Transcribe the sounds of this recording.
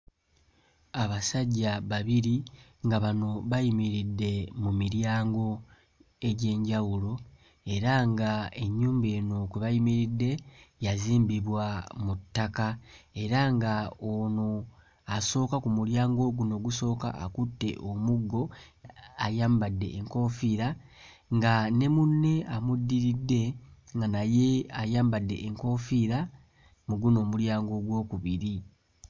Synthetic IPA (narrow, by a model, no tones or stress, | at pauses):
aβasaɟːaβaβiɾiŋɡaβano̞βajimiɾidːe̞mumiɾjaːŋɡo̞ | e̞ɟe̞ːɲɟawulo̞ | e̞ɾaŋɡae̞ɲːuːmbeːno̞kweβajimiɾidːe̞jaziːmbiβwamutːakae̞ɾaŋɡaono | aso̞ːkakumuljaːŋɡo̞ɡuno̞ːɡuso̞ːka̰ʔːkutːe̞̰ʔomuɡːo̞ | ajaːmbadːe̞̰ʔːŋko̞fiɾa | ŋɡane̞munːe̞amudːiɾidːe̞ŋɡanaje̞ajaːmbadːe̞ʔːŋko̞ːfiɾa | muɡuno̞ːmuljaːŋɡo̞ɡwo̞ːkuβiɾi